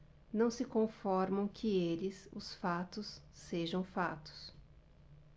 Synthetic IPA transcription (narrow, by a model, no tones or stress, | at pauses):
nɐ̃w̃sɪkõfɔɾmɐ̃w̃kʰɪelɪsʊ̰sfat̪ʊsːeʒɐ̃w̃fat̪ʊ̥s